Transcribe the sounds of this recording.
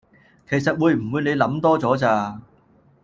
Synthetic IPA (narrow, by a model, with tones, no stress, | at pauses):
kʰe˨˩jsɐ˨t̚wuː˨˧jm̩˨˩wuː˨˧jne˨˧jlɐ˨˥mt̪ɔː˥t͡sɔː˨˥t͡saː˧